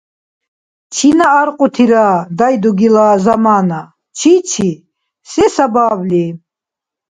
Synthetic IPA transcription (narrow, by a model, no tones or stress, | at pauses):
t͡ʃʰinaːɾqʼut̪ʰiɾaːd̪ajd̪uɡilaːzamaːna | t͡ʃʰit͡ʃʰi | sɛsabaːbli